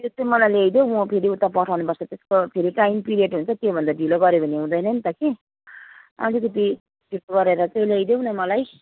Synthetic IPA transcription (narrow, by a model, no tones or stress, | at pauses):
ot̪omʌlajlejd̪joũpʰeɾiut̪apʌʈʰawnupʌɾt͡sʰʌt̪eskopʰeɾiʈajimpiɾieʈɦunt͡sʰʌt̪jobʱʌnd̪aɖiloɡʌɾjobʱʌneɦũd̪ʌjnʌnit̪ʌke | a̰lik̪et̪i | ʈipɡʌɾeɾʌt͡sʌilejd̪jonʌmʌlaj